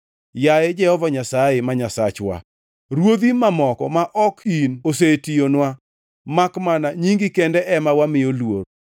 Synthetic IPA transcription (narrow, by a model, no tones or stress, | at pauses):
jajɛd͡ʒɛhɔvaɲasaɪmaɲasat͡ʃwa̰ | ɾwod̪imamɔkɔ̰maʔɔkinos̬etijonwa | makmanaɲiŋɡɪkendɛʔɛmawamɪjolwo̰ɾ